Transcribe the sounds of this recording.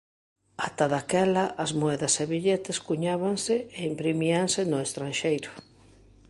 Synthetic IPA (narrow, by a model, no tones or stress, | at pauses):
at̪aðakɛlaʔazmoɛðɐseβiʎet̪eskuɲaβaŋsɪeimpɾimiaŋsɪnʊest̪ɾanʃejɾʊ